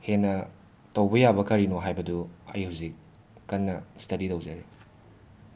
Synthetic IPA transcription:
henːɐ | tɐwbɐjabɐkɐɾinoɦajbɐduɐ̰jhuzikː | ɐnːɐstɐɾitɐwzɐɾe

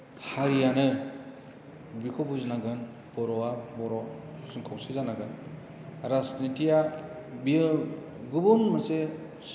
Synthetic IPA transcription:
haɾijanɯ | bikʰɔbuzinaɡɯn | bɔɾɔabɔɾɔsɯŋkʰawsizanaɡɯn | ɾasnitija | bi | ɡubuŋmase | s

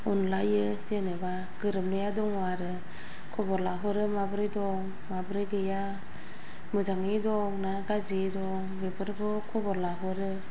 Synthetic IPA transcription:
unlajɯ | zeneba | ɡ̥ɯɾɯmnɯjadɔŋwaɾɯ | kʰɔbɔɾlaɦɯɾɯmabɾijdɔŋ | mabɾɯjɡɯja | mɯzaŋidɔŋnaɡazidɔŋbebɯɾbɯkʰɔbɔɾlaɦɯɾɯ

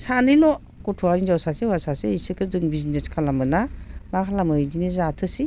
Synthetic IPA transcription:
sanilɔ | kɔtʰuainzawsasewasaseisɯkɯzɯŋbizineskʰalamɯnamakʰalamɯidinizatʰɯsi

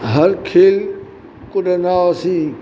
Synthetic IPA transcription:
ɦɐɾkʰeːl | kʊɖenaːsĩː

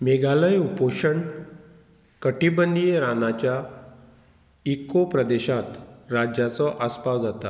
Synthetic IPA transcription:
meɡaləjupoʂəɳ | kəʈibənijeɾanat͡ɕja | ikːopɾəd̪eɕãt̪ɾad͡ʑjat͡sɔʔaspawd͡zat̪a

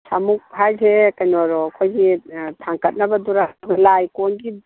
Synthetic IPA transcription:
samuk̚ɦajzekajnɔɾɔkʰojɡitʰaŋkɐt̚nabɐduɾaɡalajkɔnɡi

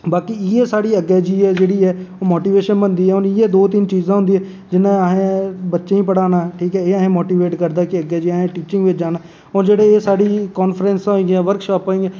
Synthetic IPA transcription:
baːkiːɪeːsaːɽiːəɡɛːd͡ʒiːɛːd͡ʒeːɽiːɛːoːmoːʈiːʋeːʃənbənd̪iːɦɛːɦʊnɪːeːd̪oːt̪ɪnt͡ʃiːzãːɦʊ̃nd̪iːɛː | d͡ʒɪnãːəɦẽːbətːʃeːĩːpəɽaːnaːʈʰiːkɛːeːəɦẽːmoːʈiːʋeːʈkəɾd̪aːkɪəɡɛːd͡ʒiːaɦẽːʈiːt͡ʃɪ̃ŋɡʋɪt͡ʃd͡ʒaːnaː | oːd͡ʒeːɽeːeːsaːɽiːkɔːnfʰɾɛ̃ːnsaĩːɡãːʋəɾkʃɔːpoːĩːɡɛ

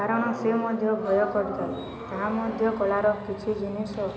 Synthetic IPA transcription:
aɾɔɽ̃ɔsemɔd̪ʱjɔbʱɔjɔkɔɾit̪ai | ɦãmɔd̪ʱjɔkɔɭaɾɔkit͡ʃʰid͡ʒinisɔ

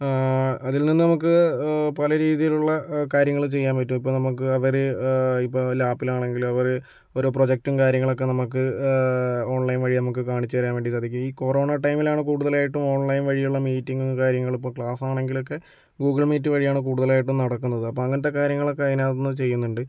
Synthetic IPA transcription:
ɐðilninːɨnɐmuk̬ːɨpɐlɐɾiːðijiluɭːɐkaːɾjɐŋːɐɭt͡ɕe̞jːaːnpɐtːumipːo̞ːnɐmukːɨɐʋɐɾɨipːoːlaːpːilaːɳe̞ŋɡilumɐʋɐɾ | o̞ɾupro̞d͡ʑek̚tumkaːɾjɐŋːɐɭo̞kːe̞nɐmukːɨ | o̞ːɳlɐjnʋɐɻinɐmukːɨkaːɳit͡ɕːɨɐɾɐjaːnʋeɳɖisad̪ʱikʲːmiːko̞ro̞ːɳɐʈɐjmilaːɳɨkuːɽuðɐlaːjiʈːumo̞ːɳlɐjnʋɐɻijuɭːɐmiːtːiŋɡumkaːɾjɐŋːɐɭipːoːkɭaːsaːɳe̞ŋɡilo̞kːe̞ | ɡuːɡɐɭmiːt̬ːuʋɐɻijaːɳɨk̬uːɽuðɐlaːjiʈːumnɐɽɐkːunːɐðɨɐpːoːɐŋːɐnɐt̪ːe̞kaːɾjɐŋːɐɭo̞kːeɐðinaːðɐnːɨt͡ɕe̞jːunːuɳɖɨ

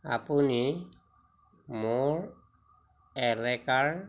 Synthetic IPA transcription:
a̰puni | moɹ | ɛlɛkaɹ

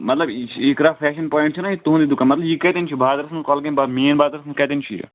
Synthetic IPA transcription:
mɐt̪lɐbeːkɾaːpʰɛːʃənpɔːɪ̃ɳʈ̚t͡ʃʰunajit̪uɦnd̪iːd̪ʊkːanmɐt̪lɐbjikɛːt̪ent͡ʃʰibaːd̪ɐɾɐsnkɔːlkebameːnbaːd̪ɾəsnkɛːt̪ent͡ʃʰḭjḛ

